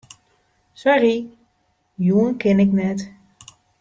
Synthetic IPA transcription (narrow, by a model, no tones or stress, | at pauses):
sɔri | juənkɪnɪknɛt